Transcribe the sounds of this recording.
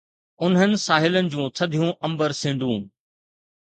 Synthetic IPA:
ʊnɦənɪ̆saːɦɪlənɪ̆d͡ʑũːt̪ʰɐd̪ʱijũʔɐ̃mbəɾsɪ̃ːɳɖũː

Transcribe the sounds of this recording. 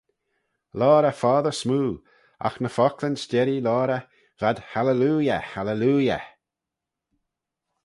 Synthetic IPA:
lɔːɾəfaːðəɹsmuː | a̰xnəfɔklənstɛɾilɔːɾə | vad̪̥haləluːjəhaləluːjə̰

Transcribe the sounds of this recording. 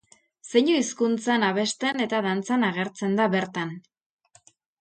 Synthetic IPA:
seɲoiskunt͡sanaβe̞st̪e̞ne̞t̪aðant͡sanaɣ̞e̞ɾt͡se̞nd̪aβe̞ɾt̪an

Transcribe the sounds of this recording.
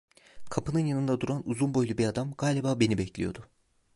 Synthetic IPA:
kʰapʰɯnɯnjanɯnd̪ad̪uɾanuzunbojlʲˠubiɾad̪amɡaːlʲibaːbe̞nibɛclʲḭjo̞d̪ʊ

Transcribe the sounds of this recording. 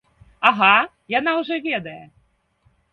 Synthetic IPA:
aɣa | janawʐɔvʲɛd̪ɐjɛ

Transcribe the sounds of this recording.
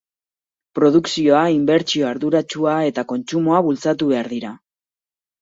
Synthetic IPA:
pɾo̞ðuksio̞aimbe̞ɾt͡sio̞aɾðuɾat͡ʃuae̞t̪ako̞nt͡sumo̞aβult͡sat̪uβe̞aɾðiɾa

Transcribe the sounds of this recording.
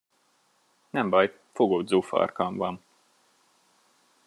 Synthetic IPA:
nɛmbɒj | foɡoːd̪zuːfɒ̰rkɑɱvɒn

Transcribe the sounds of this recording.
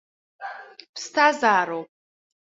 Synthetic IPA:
pstʰazaːɾow

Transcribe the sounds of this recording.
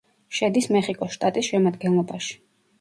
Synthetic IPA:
ʃɛd̪ismɛχikʼɔsʃt̪ʼat̪ʼisʃɛmad̪ɡɛnlˠɔbaʃi̥

